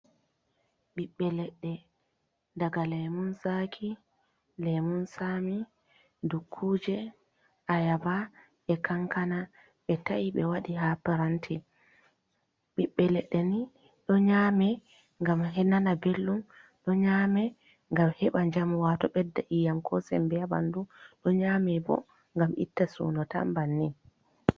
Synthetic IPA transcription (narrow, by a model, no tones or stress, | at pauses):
ɓiɓːɛlɛɗːɛ | daɡalɛmunsakʰi | lɛmunsami | dukʰːuːd͡ʒɛ | ʔajaba | ɓɛkaŋkana | ɓɛtaiɓɛwaɗihapaɾantʰi | ɓiɓːɛlɛɗːɛni | ɗɔɲaːmɛ | ŋɡamɦɛnanabelːumɗɔɲaːmɛ | ŋɡamhɛɓaɲd͡ʒamwatɔɓɛdːaʔijamkʰɔsɛ̰mbɛaba̰nduɗɔɲaːmɛbɔ̰ | ŋɡamḭtːasṵːnɔta̰mbanːi